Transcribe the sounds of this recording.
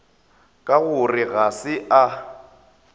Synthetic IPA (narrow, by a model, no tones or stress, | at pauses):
kʼaɣʊrɪɣasɪʔa